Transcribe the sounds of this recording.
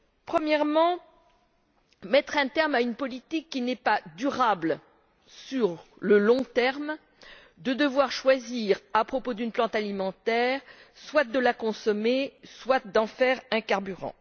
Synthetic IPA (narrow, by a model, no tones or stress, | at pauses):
pχəmjɛʁmɑ̃ | mɛt̪χɛ̃t̪ɛʁmaynpɔlit̪ikːinɛpad̪yʁabl | syʁləlɔ̃t̪ɛʁm | d̪əd̪əvwaʁʃwaziʁapχɔpod̪ynplɑ̃t̪alimɑ̃t̪ɛʁswat̪̚d̪əlakɔ̃sɔmeswat̪̚d̪ɑ̃fɛʁɛ̃kaʁbyʁɑ̰̃